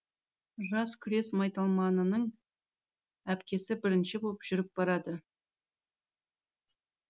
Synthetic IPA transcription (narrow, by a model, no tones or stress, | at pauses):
ʒɑskʲʰʏɾe̞smɑjt̪ɑlˠmɑnənəɴ | æpkʲe̞sɪbɪɾɪnʃɪbopʒ̥ʏɾɪp̚b̥ɑɾɑd̪ə